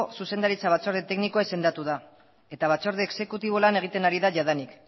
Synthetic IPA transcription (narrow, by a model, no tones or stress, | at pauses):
suse̞nd̪aɾit͡saβ̞at͡so̞ɾðet̪e̞knikoese̞nd̪at̪uð̞a | e̞t̪aβ̞at͡so̞ɾðeːkse̞kut̪iβ̞o̞lane̞ɣ̞it̪e̞naɾiðaʝaðanik